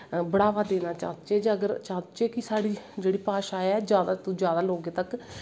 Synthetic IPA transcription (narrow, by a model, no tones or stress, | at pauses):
bəɽaːʋaːd̪eːnaːt͡ʃa̰ːt͡ʃeːd͡ʒəɡəɾt͡ʃãːd̪t͡ʃeːkɪsaːɽiːd͡ʒeːɽiːpaːʃaːɛːd͡ʒjaːd̪aːt̪ud͡ʒjaːd̪aːloːɡẽːt̪ək